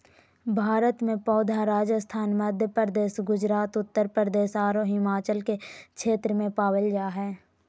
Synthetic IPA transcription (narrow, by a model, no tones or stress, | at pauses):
bʱaːɾət̪mẽpɔːd̪ʱaɾaːd͡ʒəst̪ʰaːnməd̪ʱjəpɾəɾəd̪eːsɡʊd͡ʒɾaːt̪ʊt̪ːəɾpɾəɾd̪eːsaːɾoɦɪmaːt͡ʃəlkekʃʰeːt̪ɾəmẽpaːwəljaːɦɛː